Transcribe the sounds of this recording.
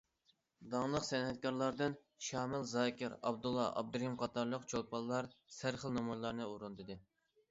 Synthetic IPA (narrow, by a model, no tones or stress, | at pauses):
d̪ɑŋlˠəqsɛnɦɛt̪̚kʲɑɾlˠɑɾd̪ɨn | ʃɑːmɪlzɑːkʲʰɪɾɑ̰bd̪ulˠːɑ̰ʔɑ̰b̚d̪ɾimqʰɑt̪ɑɾlˠəqt͡ʃʰolˠpʰɑlˠːɑɾsæɾχəlˠnɑmujlˠɑɾnɨuɾund̪ɨd̪ɨ